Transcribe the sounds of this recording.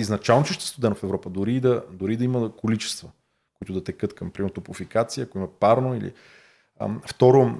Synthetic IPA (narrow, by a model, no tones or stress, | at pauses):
iznɐt͡ʃalˠnot͡ʃɛʃt̪ɛst̪ʊd̪ɛnfɛvɾɔpəd̪ʊɾiːd̪ɐd̪ʊɾid̪ɐiməkolit͡ʃɛ̥st̪və | koit̪ʊd̪ɐt̪ɛkɤt̪kɐmpɾimt̪ʊpʊfikat̪sijəːkoimɐpaɾnoilḭ | ft̪ɔɾo